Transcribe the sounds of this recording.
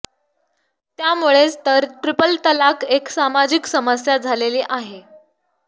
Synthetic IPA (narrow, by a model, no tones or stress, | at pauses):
t̪jamuɭet͡st̪əɾʈɾipəlt̪əlakeksamad͡ʑiksəməsjad͡zʱaleliːʔaɦe